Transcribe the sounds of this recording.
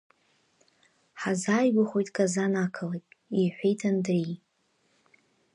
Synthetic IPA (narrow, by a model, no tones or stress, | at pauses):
ħazaːjɡʷaχʷojtʼkʼazanakʰəlejpʼiħʷejtʰandri